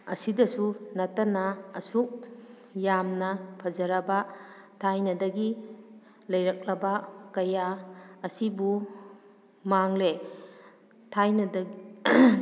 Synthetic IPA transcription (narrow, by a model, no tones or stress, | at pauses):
ɐsidɐsunɐtːɐnɐːsuk̚ | jamnɐpʰɐzɐɾɐbɐ | tʰajnɐdɐɡi | lɐjɾɐk̚lɐbɐkɐjaːsibu | maŋle | tʰajnɐd